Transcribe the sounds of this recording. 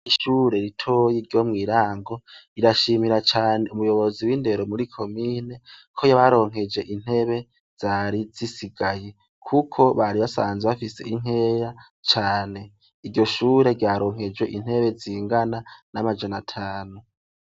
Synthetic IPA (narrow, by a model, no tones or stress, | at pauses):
iʃuːɾe̞ɾitʰojiɾɟo̞mŋiːɾaːŋɡo̞iɾaʃiːmiɾat͡ʃaːne̞umujo̞βo̞ziwinde̞ɾomuɾikʰo̞miːne̞kʰo̞jaβaɾo̞ːŋ̥ɦe̞d͡ʒe̞ʔin̥he̞βe̞ | z̥aɾizisiɡaje̞ | kʰukʰo̞βaɾiβasaːnzweβafise̞̰ʔiŋ̥e̞ːɾa | t͡ʃaːne̞ | iɾɟo̞ʃuːɾe̞ɾɟaːɾo̞ːŋɦe̞d͡ʒwe̞ʔin̥he̞βe̞ziːŋɡananamad͡ʒanatʰaːnu